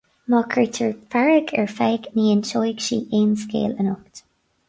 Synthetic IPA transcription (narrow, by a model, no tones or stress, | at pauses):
mɑkʰɹitʰəɹfaɹəɡɛ̰ɹfɛɡ̥niːənʃɔjɡ̥ʃḭːʔeːnskḛːlənʊkt